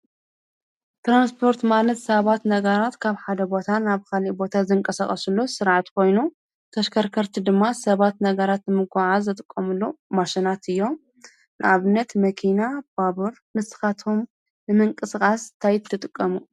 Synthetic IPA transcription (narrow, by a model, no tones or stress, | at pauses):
t̪ɾanspʰo̞ɾt̪manɐt̪sɐβat̪nɐɡɐɾat̪kʰaβħad̪ɐbo̞t̪ʰanaβkʰalibo̞t̪ʰazɨŋkʼɐsaχʼɐsulːusɨɾʕat̪kʰo̞jnu | t̪ʰɐʃkʰɐɾkʰɐɾt̪ʰid̪ɨmːasɐβat̪nɐɡɐɾat̪nɨmɨɡaʕazɨt̪ʼɨkʼːɐmɨlːomaʃinat̪ɨjːo̞ | nʔaβɨnːɐt̪mɐkʰinab̥aβuɾ | mɨsɨ̥xat̪ʰom | nɨmɨŋkʼɨsɨkʼast̪ʰajɪt̪ʰːɨt̪ʼɨkʼːɐmu